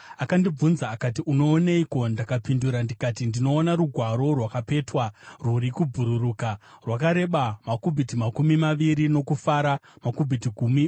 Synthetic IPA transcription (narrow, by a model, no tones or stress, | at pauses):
akandib͡vunzaːkatiʔuno̞ːneiko̞ndakapinduɾandikatindino̞ːnaɾuɡʱwaɾo̞rwakape̞twaruɾikub͡vuɾuruːkarwakaɾe̞ɓamakubʱitimakumimaʋiɾino̞kufaːɾamakubʱitiɡʱumi